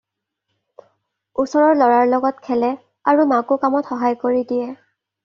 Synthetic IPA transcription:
usɔɹɔɹlɔɹaɹlɔɡɔtkʰɛlɛ | aɹumakʊkamɔtxɔɦajkoɹidijɛ

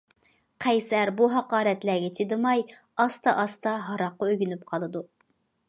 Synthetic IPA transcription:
qʰɛjsæɾbuɦɑqɑːɾɛt̪læɡʲɛt͡ʃʰid̪ɨmɑj | ɑst̪ɑʔɑst̪ɑɦɑɾɑqːɑøɡʲynyp̚qʰɑlˠɨd̪u

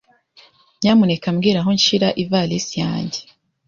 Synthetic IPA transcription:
ɲɲaːmune̞kamɡiːɾaɦo̞ɲʃiɾaʔivalisija̰ːɲɟe

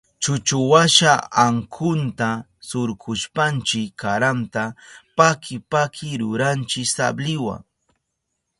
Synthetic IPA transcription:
t͡ʃʊt͡ʃʊwaʃaaŋkʰʊnt̪asʊɾkʊʃpant͡ʃɪkkʰːaɾant̪apakʰɪpakʰɪɾʊɾant͡ʃɪksa̰blɪwa̰ŋ

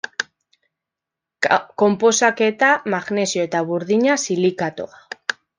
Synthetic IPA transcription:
ko̞mpo̞sake̞t̪amaɣne̞sio̞et̪aβuɾðiɲasilikat̪o̰a

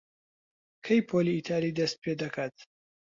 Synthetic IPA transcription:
kʰɐjpʰoliːt̪ʰaːɾid̪ɐst̪̚pʰeːd̪ɐkʰaːt̪̚

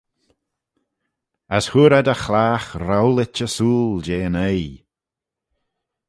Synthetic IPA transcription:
əshuɾɛd̪əxlaːxɾawlɪt͡ʃəsuːld͡ʒeːnəj

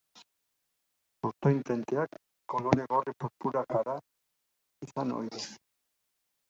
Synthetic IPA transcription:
suɾt̪ojnt̪ent̪eakː | o̞loɾeɣo̞ripoɾpuɾakaɾa | isano̰jðes

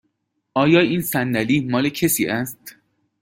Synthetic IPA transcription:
ʔɒːjɒːiːnsændæliːmɒːlecʰesiːʔæst̪

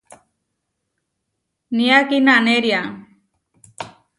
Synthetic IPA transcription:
nijakinanɛɾija

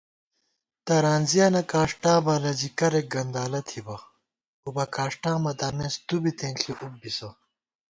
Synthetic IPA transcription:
t̪ɐɾaːnzijaːnɐkaːʂʈãːbɐlɐzikɐɾek̚ɡɐnd̪aːlɐt̪ʰibɐ | ubɐkaːʂʈãːmɐd̪aːmeːst̪ubit̪ẽːnɬʰiʔuk̚bisɐ

